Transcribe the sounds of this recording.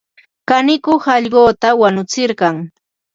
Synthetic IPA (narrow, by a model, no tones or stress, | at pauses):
kanɪkʊhɑʎɢoːt̪awanʊt͡sɪɾɢɑŋ